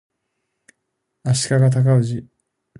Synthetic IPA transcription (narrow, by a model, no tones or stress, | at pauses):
aɕi̥kaɡat̪̬akaɯ̟ʑi